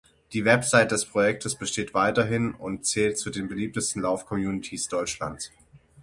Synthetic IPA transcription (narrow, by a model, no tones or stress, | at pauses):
d̥iːvɛpz̥aɪt̚d̥ɛspʁ̥ojɛk̚tʰəsb̥əʃteːtv̥aɪtɐɦɪnʊntt͡sɛːltt͡sudeːnbəliːp̚təstn̩laʊfkʰɔmjuːnɪtʰiːsd̥ɔʏt͡ʃla̰nt͡s